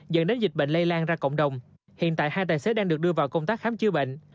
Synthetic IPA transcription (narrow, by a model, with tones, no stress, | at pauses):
zə̰˧˥nɗe˨˦nzi̟˨˩ɓḛ˧˨ŋ̟lə˧jlaː˧nzaː˧kə̰˧˨wŋ͡mɗə˨˩wŋ͡m | hḭ˧˨ənt̪a̰ː˧˨jhaː˧jt̪aː˨˩jse˨˦ɗaː˧ŋɗɨ˨˩k̚ɗɨ˧əvaː˨˩wkə˧wŋ͡mt̪aː˦˥k̚xaː˨˦mt͡ɕɨ˨˦ɓḛ˧˨ŋ̟